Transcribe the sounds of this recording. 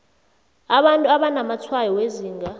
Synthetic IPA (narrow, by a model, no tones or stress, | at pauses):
aɓantʼuaɓanamat͡sʰwajɔweziːŋɡʱa